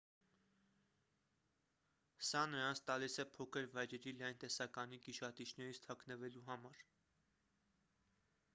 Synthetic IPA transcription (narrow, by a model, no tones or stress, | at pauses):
sɑnəɾɑnt͡sʰt̪ɑlisɛpʰɔkʰəɾvɑjɾɛɾilɑjnt̪ɛsɑkɑnikiʃɑt̪it͡ʃʰnɛɾit͡sʰt̪ʰɑkʰnəvɛluɦɑmɑɾ